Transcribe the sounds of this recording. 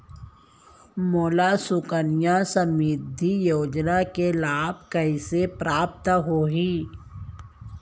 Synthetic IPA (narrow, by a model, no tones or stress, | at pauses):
moːlasʊkənijasəmiːd̪ʱijoːd͡ʒnakelaːb̚kəisepɾaːp̚t̪ɦoːɦiː